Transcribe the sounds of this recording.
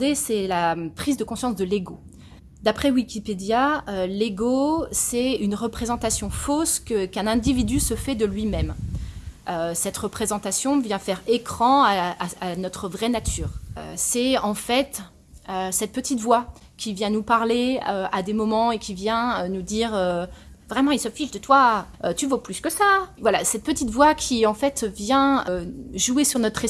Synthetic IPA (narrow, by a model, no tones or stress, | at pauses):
d̪esɛlapχizd̪əkɔ̃sjɑ̃sd̪əleɡo | d̪apχɛwikʲiped̪jaøleɡosɛynʁəpχezɑ̃t̪asjɔ̃foskəkɛ̃nɛ̃d̪ivid̪ysəfɛd̪əlɥimɛm | øsɛt̪ʁəpχezɑ̃t̪asjɔ̃vjɛ̃fɛʁekχɑ̃aanɔt̪χəvʁɛnat̪ʰyːʁø̰sɛɑ̃fɛt̪ | øsɛt̪̚pət̪it̪vwa | kʲivjɛ̃nupaʁleøad̪emɔmɑ̃ekʲivjɛ̃ønud̪iːʁøvʁɛmɑ̃ilsəfiʃd̪ət̪waøt̪yvoplyskəsavwalasɛt̪̚pət̪it̪vwakʲiɑ̃fɛt̪vjɛ̃øʒuesyʁnɔt̪χe